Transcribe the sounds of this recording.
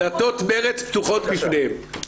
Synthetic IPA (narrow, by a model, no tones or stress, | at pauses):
at̪ot̪meʁet͡spt̪uχot̪bifnehem